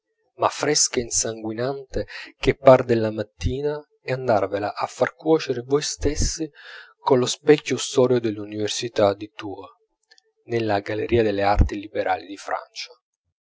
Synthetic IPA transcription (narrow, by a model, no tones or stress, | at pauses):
ma̰fːɾɛskainsaŋɡwinant̪ek̟epːard̪elːamat̪ːiːna | ɛand̪arvelaʔafːarkwɔːt͡ʃeɾevɔjst̪esːikonlospɛkʲːust̪ɔːɾjod̪elːuniversit̪ad̪it̪uːa | nelːaɡaleɾʔiːad̪elːeart̪ilibeɾʔa̰ːlid̪ifɾa̰nt͡ʃḁ